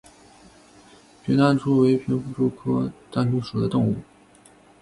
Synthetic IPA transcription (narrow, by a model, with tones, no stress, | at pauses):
t͡ɕʰɛ˧˥na˥˩nʈ͡ʂʰu˥we˧˥ɪpʰjɛ˧˥nfu˥˩ʈ͡ʂo˥ʊkʰɤ˥ʈ͡ʂa˥˩nʈ͡ʂu˥ʂu˨˩d̪ə˦t̪ʊ˥˧ŋu˥˩